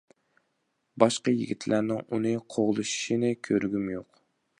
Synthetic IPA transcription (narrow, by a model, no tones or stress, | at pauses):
bɑʃqɑjḭɡʲit̪ʰlʔæɾnɪŋunɨqʰoʁlˠɨʃi̥ʃinɪkʲʰøɾɡʲymjoq